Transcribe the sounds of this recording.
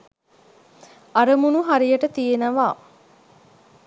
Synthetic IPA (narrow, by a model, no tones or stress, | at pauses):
aɾəmunuɦaɾijəʈət̪ijenəʋaː